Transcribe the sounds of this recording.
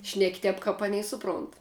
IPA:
ʃʲnʲɛkʲ ˈtʲɛp kɐp ˈɑːˌnʲɛɪ ˈsʊˌproːnt

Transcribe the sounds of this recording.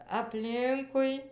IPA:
ɐpʲˈlʲɪŋkʊɪ

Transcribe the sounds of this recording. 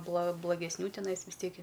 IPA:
blˠɐ blˠɐɡʲɛsʲˈnʲuː tʲɛˈnɐɪs ʋʲɪs ˈtʲiɛk ɪ

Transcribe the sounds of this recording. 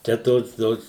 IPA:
ˈt͡ʃʲɛ ˈtoːs ˈtoːs

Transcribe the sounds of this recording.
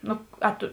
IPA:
ˈnʊ ɐ ˈtʊ

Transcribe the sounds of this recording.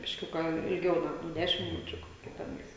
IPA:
bʲɪʃʲˈkʲʊkɑː ɪlʲˈɡʲɛʊ ɡɐlˠ ˈnʊ ˈdʲæːʃʲɪm mʲɪˈnʊt͡ʃʲʊ ˈkoːkʲɛ tʲɛˈnɐɪs

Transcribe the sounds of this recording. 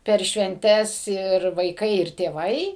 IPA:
pʲɛr ʃʲʋʲɛnʲˈtʲɛs ɪr ʋɐɪˈkɐɪ ɪr tʲeːˈʋɐɪ

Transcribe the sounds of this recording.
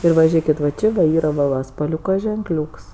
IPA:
ˈɪr ʋɐ ˈʒʲeːkʲɪt ʋɐ ˈt͡ʃʲɪ dɐ ˈiːr ʋɐ ˈʋɐ spɐˈlʲuːkɐ ʒʲɛŋkˈlʲuːks

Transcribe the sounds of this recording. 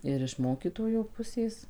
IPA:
ɪr ɪʃ ˈmoːkʲiːtoːjoː ˈpʊsʲeːs

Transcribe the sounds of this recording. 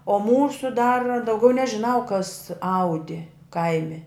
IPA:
oː ˈmuːsʊ dɐr dɐʊˈɡʲɛʊ nʲɛʒʲɪˈnɐʊ kɐs ˈɐʊdʲɪ ˈkɐɪmʲɪ

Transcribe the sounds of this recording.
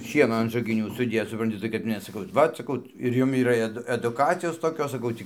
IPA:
ˈʃʲiɛnoː ɐn ʒɐɡʲɪˈnʲuː sʊˈdʲeːt͡s sʊprɐnʲˈtʲɪ tɐɪ kɐt ˈmʲɛs sɐˈkɐʊ ˈʋɐt sɐˈkɐʊ ɪr ˈjʊm iːˈrɐ ɛˈdʊ ɛdʊˈkɑːt͡sʲɪjoːs toːˈkʲoːs sɐˈkɐʊ tʲiː

